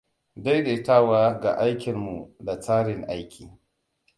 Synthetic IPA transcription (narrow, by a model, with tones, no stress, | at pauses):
da˦jde˨˦ta˦˨waː˦ɡa̰˨ʔa˦jkʲɪ˨nmu˨da˨saː˦ɽɪ˨ŋʔa˦jkʲʰḭː˨